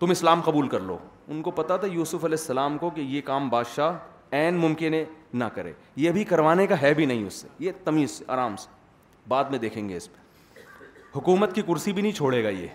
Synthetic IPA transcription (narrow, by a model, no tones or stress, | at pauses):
t̪ʊmɪslaːmqɐbuːlkɐɾlo̰ːʊnkopɐt̪at̪ʰajuːsʊfɐlɛːsːɐlaːmkokejekaːmbaːd̪ʃaːɦ | ɛːnmʊmkɪnɦẽnɐkɐɾḛː | jeɐbʱikɐɾʋaːnekaɦɛbʱinɐɦĩʊ̰sːḛjet̪ɐmĩːsea̰ːɾaːmse̥ | baːd̪mẽd̪eːkʰẽːŋɡeɪspe̥ | hʊkuːmət̪̚kikʊɾsibʱinɐɦĩt͡ʃʰoːɽeːɡajḛː